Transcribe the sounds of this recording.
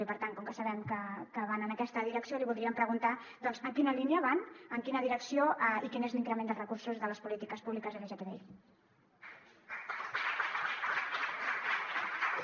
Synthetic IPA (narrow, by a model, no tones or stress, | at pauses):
ipəɾt̪aŋkɔŋkəsəβɛmkəkəβ̞anənəkɛst̪əðiɾəksioliβulˠd̪ɾiəmpɾəɣunt̪a | d̪ɔnzəkinəliniəβanəŋkinəðiɾəksioʔəikinezliŋkɾəmend̪ərəkuɾsuzðələspulit̪ikəspuβlikəzəkɛʒək̪ɛðḛʎ